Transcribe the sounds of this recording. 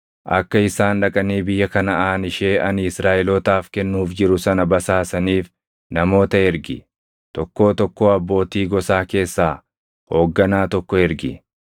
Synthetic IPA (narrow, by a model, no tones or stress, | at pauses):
ʔɐ̰kːɐɪsaːnᶑɐkʼɐniːbɪjːɐkɐnɐaːnɪʃe̞ːʔɐnɪsɾaːʔɛlɔt̪aːfkɛnːuːfd͡ʒɪɾʊsɐnɐbɐsaːsɐniːf | nɐmo̞ːt̪ɐɛɾɡɪ | t̪ɔkːo̞ːt̪ɔkːo̞ːɐbːo̞ːt̪iːɡɔsaːke̞ːsːaː | ho̞ːɡːɐnaːt̪ɔkːɔɛɾɡɪ